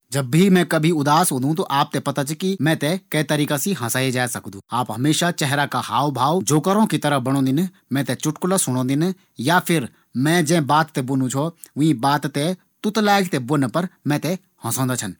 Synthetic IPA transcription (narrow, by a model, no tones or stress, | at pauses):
d͡ʒɐbːimɛ̃kɐbʱiʊd̪aːsɦũːnd̪ʱũt̪oʔaːp̚t̪epɐt̪at͡ʃʰkimɛ̃t̪ekɐit̪ɐɾiːkasiɦɐ̃saːed͡ʒaːesɐkd̪ũːaːpɦɐmeːʃat͡ʃɛɦɾakahaːwbʱaːʋwd͡ʒoːkəɾõkit̪ɐɾəbɐɽ̃õːnd̪ɪn | mɛ̃ːt̪ɛt͡ʃʊʈkʊlasʊɽ̃õːd̪ɪn | japʰɪɾ | mɛ̃ːd͡ʒɛ̃ːbaːt̪ːebʊnũt͡ʃʰo | ʋʊ̃ĩbaːt̪t̪e | t̪ʊt̪laːɪɡt̪ebʊnpɐɾmɛ̃ːt̪e | hɐ̃sõːnd̪at͡ʃʰɐn